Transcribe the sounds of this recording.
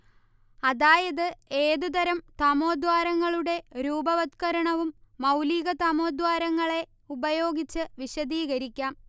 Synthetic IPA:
ɐðaːjɐðɨe̞ːðud̪ɐɾɐmt̪ɐmoːd̪waːɾɐŋːɐɭuɽe̞ɾuːbɐʋɐt̪kɐɾɐɳɐʋumːɐwliːɣɐt̪ɐmo̞ːd̪waːɾɐŋːɐɭe̞ | ubɐjo̞ːɡit͡ɕːɨʋiɕɐðiːɣɐɾikʲːaːm

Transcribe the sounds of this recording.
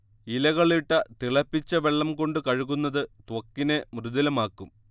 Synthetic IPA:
ilɐɣɐɭiʈːɐt̪iɭɐpːit͡ɕːɐʋe̞ɭːɐmko̞ɳɖɨkɐɻuɣunːɐðɨt̪wɐkːinemrɨðɐlɐmaːkːum

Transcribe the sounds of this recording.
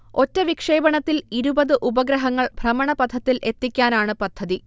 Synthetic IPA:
o̞tːɐʋikʂe̞ːbɐɳɐt̪ːiliɾubɐðɨʔubɐɡɾɐɦɐŋːɐɭbʱrɐmɐɳɐpɐd̪ʱːɐt̪ːilʔe̞t̪ːikʲːaːnaːɳɨpɐd̪ʱːɐði

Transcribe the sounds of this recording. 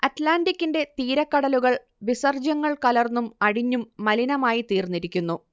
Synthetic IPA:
ɐtlaːndikʲːinde̞t̪iːɾɐkːɐɽɐluɣɐɭ | ʋisɐrd͡ʑɐŋːɐɭkɐlɐrnumɐɽiɲːumːɐlinɐmaːjit̪iːrnːiɾikʲːunːu

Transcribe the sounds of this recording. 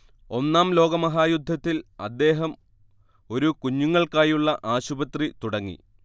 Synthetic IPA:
o̞nːaːmlo̞ːɡɐmɐɦaːjud̪ʱːɐt̪ːilɐd̪ːe̞ːɦɐm | o̞ɾukuɲːuŋːɐɭkaːjuɭːɐʔaːɕubɐt̪rit̪uɽɐŋːḭ

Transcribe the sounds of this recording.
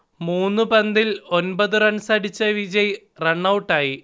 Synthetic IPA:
muːnːupɐnd̪ilo̞nbɐðɨrɐɳsɐɽit͡ɕːɐʋid͡ʑɐj | reɳːɐwʈːaːji

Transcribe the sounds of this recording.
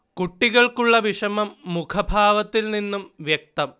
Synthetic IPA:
kuʈːiɣɐɭkuɭːɐʋiʂɐmɐmːukʰɐbʱaːʋɐt̪ːilninːumʋjek̚t̪ɐm

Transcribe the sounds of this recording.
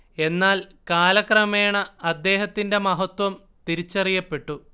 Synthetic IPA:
e̞nːaːlkaːlɐkrɐme̞ːɳɐːd̪ːe̞ːɦɐt̪ːinde̞mɐɦɐt̪wɐm | t̪iɾit͡ɕːɐrijɐpːe̞ʈːu

